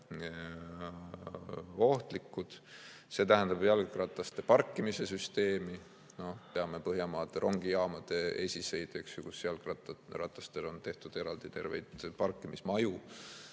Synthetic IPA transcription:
o̞ht̪likːud̪̥ | se̞t̪æɦænd̪̥ɑbjɑlɡɡrɑt̪ːˑɑst̪e̞pɑrkːˑimise̞syst̪e̞ːmi | no̞pe̞ɑme̞pɤɦjɑmɑːd̪̥eɾʔo̞ŋɡ̥ijɑːmɑd̪̥e̞esʲise̞jd̪̥eksjukusjɑlɡɑrɑt̪ːˑɑst̪elo̞nt̪e̞ht̪ud̪̥e̞ɾɑld̪̥it̪e̞rvḛjd̪̥pɑrkːˑimismɑju

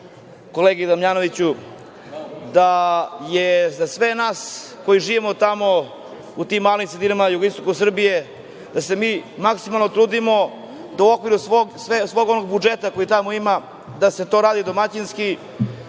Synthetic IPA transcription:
ko̞leːɡid̪amʎaːno̞ʋit͡ɕu | d̪ajezasʋe̞naːs | ko̞jiʒiːʋimot̪amo̞ | ut̪imːaːlimsɾed̪inamajuɡoist̪o̞kusr̩bije̞ | d̪ase̞miːmaksimalnot̪ɾuːd̪imo̞ | d̪auo̞kʋiɾusʋoɡsʋesʋo̞ːɡo̞no̞ɡ̚bud͡ʒet̪ako̞jit̪amo̞ima | d̪ase̞t̪o̞ɾaːd̪id̪o̞mat͡ɕinski

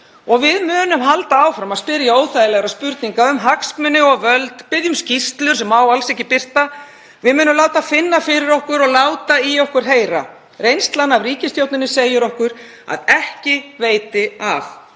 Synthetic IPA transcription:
ɔɣvɪðmʏːnʏmɦalt̪aawfɾamaðspɪɾjaoːwθajɪlɛɣaɾaðspʏɾt̪niŋkaʏmɦaksmʏnɪɔɣvœlt̪pɪðjʏmscist̪lʏɾ̥sɛmawalsɛhcɪpɪr̥t̪a | vɪðmʏːnʏmlaːwt̪afɪnːafɪɾɪɾɔhkʏɾɔɣlaːwt̪aiɔhkʏɾ̥ɦeːjɾa̰ | rejnst̪lanavriːcɪst̪jowt̪nɪnɪseːjʏɾɔhkʏɾ | a̰ðɛhcɪveːjt̪ɪaf

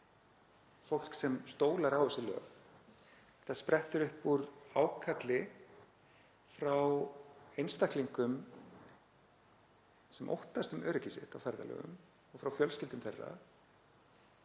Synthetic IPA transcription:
fowl̥ksɛmst̪oːwlaɾawɛsɪlœ̰ːɣ | θaspɾɛht̪ʏɾʏhpuɾawkʰat̪lɪ | fɾawejnst̪ahk̪liŋkʏm | sɛmʔo̰wht̪ast̪ʏmœːɾʏcisɪ̰t̪awfɛɾða̰lœ̰ːɣʏ̰m | ɔɣfɾawfjœlscɪlt̪ʏmθerːa̰

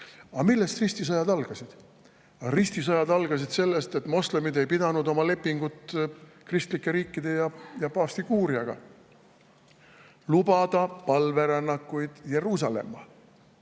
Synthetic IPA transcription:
ɑmilːe̞st̪rist̪isɑjɑd̪ɑlɡ̥ɑsid̪̥ | ɑrist̪isɑjɑd̪̥ɑlɡ̥ɑs̬id̪̥se̞lːe̞st̪e̞t̪ːˑmo̞sle̞mid̪e̞jpid̪̥ɑnud̪o̞mɑle̞pːiŋɡ̥ut̪ˑkrist̪likːˑe̞ɾiːkˑːid̪̥e̞jɑjɑpɑːst̪iɡ̥uːɾiɑɡ̥ɑ̰ | lubɑd̪̥ɑpɑlve̞ɾɑnːɑkːˑujd̪̥je̞ɾuːs̬ɑle̞̰mːɑ

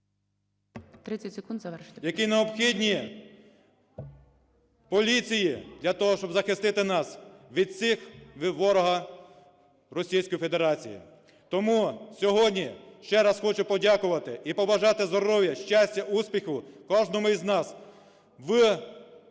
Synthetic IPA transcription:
t̪ɾɪt͡sʲɐsʲekund̪zɐɛjɐkineɔbxʲidʲnʲi | pɔlʲit͡sʲijid̪lʲɐt̪ɔɦɔʃt͡ʃɔbzɐxɪst̪ɪt̪ɪnɑsʋʲid̪̚t͡sʲixʋɔɾɔɦɐ | rɔsʲijsʲkɔjife̞d̪eɾɑt͡sʲḭjḭ | t̪ɔmusʲɔɦɔdʲnʲiʃt͡ʃɛɾɑsxɔt͡ʃʊpɔdʲakʊʋɐt̪ɪipɔbɐʒɑt̪ɪzd̪ɔɾɔʋʲjɐʃt͡ʃasʲtʲɐʔuspʲixʊkɔʒnɔmʊiznɑs | ʋɪ

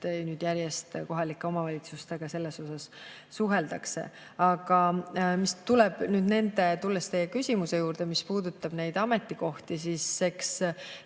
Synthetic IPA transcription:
nyːd̪̥jæɾjest̪ko̞ɦɑlikːˑe̞o̞mɑvɑlʲit̪sust̪e̞ɡ̥ɑse̞lːe̞so̞sɑsː | uɦe̞ld̪̥ɑkse̞̰ | ɑɡ̥ɑmist̪ulɛb̥nyːd̪ne̞nd̪̥e̞t̪ulːest̪ejekysʲimuse̞juːɾd̪̥e̞mispuːd̪ut̪ːˑɑb̥ne̞jd̪̥ɑme̞t̪ːˑiko̞ht̪is̬iːsːe̞ks

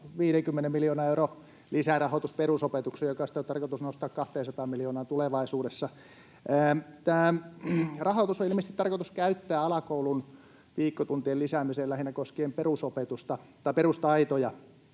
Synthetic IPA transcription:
ʋiːɾeŋkymːenemiljoːnɑːeuro | lisærɑhot̪usperusopet̪uksejjokɑsi̥t̪ont̪ɑrkot̪usnost̪ɑːkkɑht̪eːnsɑt̪ɑːmmiljoːnɑːnt̪uleʋɑisuːdesːɑ | t̪æː | rɑhot̪usoilimest̪it̪ɑrkot̪uskæyt̪ːæːɑlɑkoulun | ʋiːkːot̪unt̪ielisæːmiselæhinːækoskeːmperusopet̪ust̪ɑt̪ɑiperust̪ɑit̪ojɑ

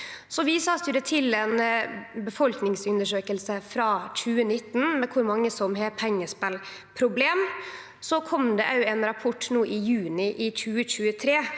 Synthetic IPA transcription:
sɔʋɪsɑːst̪ʏɾət̪ʰɪlɛnbəfɔlknɪŋsʉnd̪əʂøːkəlsəfɾɑːçʉːənɪt̪ːnmɛkʰʊɾmɑŋːəsɔmɦɛpʰɛŋːəspɛl | pʰɾʊbleːm | sɔkʰɔmd̪ɛʔɑʉɛnɾɑpʰɔʈːnuːʔɪjʉːnɪʔɪɕʉːəɕʉːət̪ʰɾeː

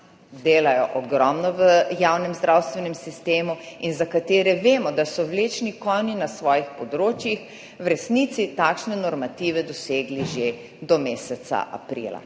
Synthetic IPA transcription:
d̪eːlajɔʔɔɡɾɔmnɔʋəjaːwnɛmzd̪ɾʔawst̪ʋɛnɛmsist̪eːmuinzakat̪eːɾɛʋeːmɔd̪asɔwleːt͡ʃnikɔninasʋɔːjixpɔd̪ɾoːt͡ʃjix | wɾɛsnit̪sit̪aːkʃnɛnɔɾmat̪iːʋɛd̪ɔseːɡliʒe | d̪ɔmeːsɛt̪sa̰ʔa̰pɾḭla̰

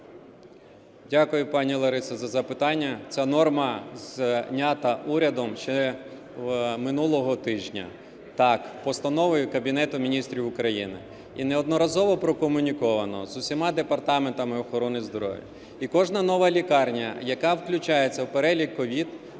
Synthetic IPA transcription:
dʲakʊjʊpɑnʲilˠɐɾɪsɐzɐzɐpɪt̪ɑnʲːɐt͡sʲanɔrmɐznʲat̪ɐʔuɾʲɐd̪ɔmʃt͡ʃɛ | mɪnulˠɔɦɔt̪ɪʒnʲɐ̰ | t̪ɑkpɔst̪ɐnɔʋɪjʊkɐbʲinɛt̪ʊmʲinʲist̪ɾʲiwʊkɾɐjinɪ̰ | ineɔd̪nɔɾɐzɔʋɔpɾɔkɔmʊnʲikɔʋɐnɔ̰zʊsʲimɑd̪epɐrt̪ɑment̪ɐmɪɔxɔɾɔnɪzb̪ɾɔ̰ʋʲḭ | ikɔʒnɐnɔʋɐlʲikɑrnʲɐ̰jɐkɑwklʲʊt͡ʃɑjet͡sʲːɐwpeɾɛlʲikːɔʋʲid̪

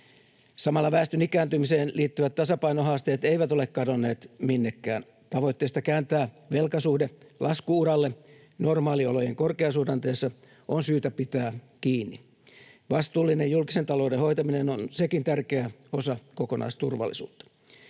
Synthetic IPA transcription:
sɑmɑlːɑʋæːst̪ynikæːnt̪ymiseːnliːt̪ːyʋæt̪tɑsɑpɑjnoɦɑːst̪e̞ːt̪eiʋæt̪o̞le̞kkɑdonːe̞ːt̪minːekːæ̰ːn | t̪ɑʋo̞jt̪ːeːst̪ɑkæːnt̪æː | ʋe̞lkɑsuːhdelʔɑskuuɾɑlːe | no̞rmɑːliolo̞jeŋko̞rkeɑsuːdɑnt̪eːsːɑ | ʔonsyːt̪æpit̪æː | kiːnːi | ʋɑst̪uːlːinejjulkiset̪ɑlo̞ːdeho̞jt̪ɑminenonse̞kint̪ærkeæo̞sɑkoko̞nʔɑ̰ist̪urʋɑ̰lːḭsṵːt̪ːɑ̥

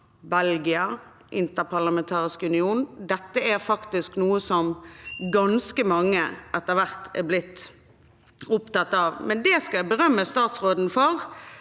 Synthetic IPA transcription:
bɛlɡɪə | ʔɪnt̪əʁpʰɑʁlɑmɛnt̪ʰɑːʁɪskʉnɪuːnd̪ɛt̪ːəæɾfɑkt̪ɪsknuːəsɔmɡɑnskəmɑŋːəʔɛt̪ːəʁʋæʁt̪æ̰ɾblɪt̪ː | ʊpt̪ɑt̪ːɑːʋmɛnd̪ɛskɑæbəɾœmːəst̪ɑːt̪sʁoːd̪n̩fɔʁ

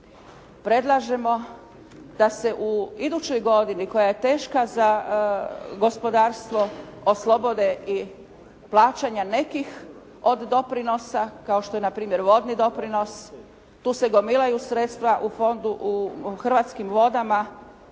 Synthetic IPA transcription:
pɾe̞d̪lˠaʒe̞mo̞ | d̪̥ase̞ʔuid̪ut͡ɕo̞jɡo̞d̪iniko̞jaje̞t̪e̞ːʃkaza | ɡo̞spo̞d̪aːɾst̪ʋo̞oslˠobo̞d̪e̞ʔi | plˠaːt͡ʃaɲane̞kix | o̞d̪ːo̞pɾino̞sakaoʃt̪o̞je̞napɾiːmje̞ɾʋo̞d̪nid̪o̞pɾino̞s | t̪uːse̞ɡo̞milˠajusɾet̪st̪ʋaʔufo̞nd̪uʔuxr̩ʋaːt̪skimʋo̞d̪ama

